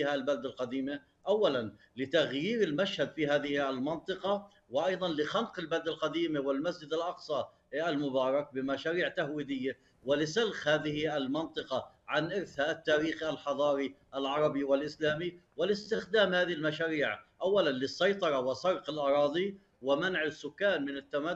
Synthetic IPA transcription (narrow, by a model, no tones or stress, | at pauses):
iːhalbald̪alqɑd̪iːma | ʔawːalan | lɪt̪aɣjiːɾɪlmaʃhad̪fihaːðɪhalmɑnt̪ˤɨqɑ | wɪʔɑjðˤɑnlɪxanqɪlbald̪alqɑd̪iːmɪwɪlmasd͡ʒɪd̪alʔɑqsˤɑ | almʊbɑːɾˤɑk̚bɪmaʃaːɾiːʕt̪ahwiːd̪ɪjːa | wɪlɪsalxhaːðɪhɪalmɑnt̪ˤɨqɑʕanʔɪɾθaʔat̪ːaːɾiːxalħɑðˤɑːɾiʔalʕɑɾˤɑbiwɪlʔɪslaːmiwɪlɪst̪ɪxd̪aːmhaːðɪhɪlmaʃaːɾiːʕʔawːalanlɪsːɑjt̪ˤɑɾˤɑwɪsɑɾqɪlʔɑɾˤɑːd̪ˤi | wɪmanʕɪsːʊkːaːnmɪnɪt̪ːama